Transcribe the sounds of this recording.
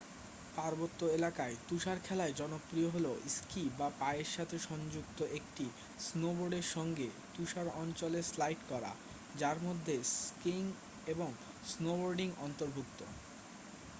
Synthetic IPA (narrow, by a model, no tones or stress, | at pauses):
paɾbot̪ːoelakaet̪uʃaɾkʰɛlaed͡ʑɔnopːɾioɦoloʔiskibapaeeɾʃat̪ʰeʃɔnd͡ʑukt̪oʔek̚ʈi | snoboɾɖeɾʃɔŋɡe | t̪uʃaɾɔnt͡ɕoleslajʈkɔɾa̰ | d͡ʑaɾmod̪ʱːeskiŋ | eboŋ | snoboɾɖiŋɔnt̪oɾbʱuk̚t̪o